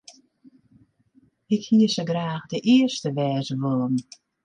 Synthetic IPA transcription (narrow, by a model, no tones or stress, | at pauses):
ɪkhiəsəɡraːxdəʔɪəstəʋɛːzəʋɔlˠəm